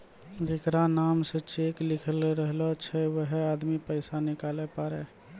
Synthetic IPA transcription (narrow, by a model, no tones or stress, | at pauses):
d͡ʒekɾanaːmset͡ʃeklɪkʰəlɾəɦlɔt͡ʃʰɛwəɦeaːd̪mipəɪsanɪkalepaːɾe